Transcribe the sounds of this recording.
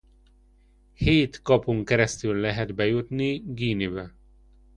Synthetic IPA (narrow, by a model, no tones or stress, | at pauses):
heːt̪kɒpoŋkɛɾɛst̪ylːɛɦɛd̪bɛjut̪niɡiːnibɛ